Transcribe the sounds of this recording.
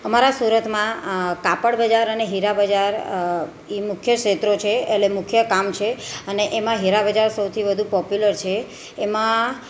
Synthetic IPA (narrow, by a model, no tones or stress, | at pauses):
əmaɾasuɾət̪mãkapəɽbəd͡ʒaɾəneɦiɾabəd͡ʒaɾ | imʊkʰjəket̪ɾot͡ʃʰeelemʊkʰjəkamt͡ʃʰeəneʔemãɦiɾabəd͡ʒaɾsəwt̪ʰibəd̪ʱũpɔpjuləɾt͡ʃʰeː | mã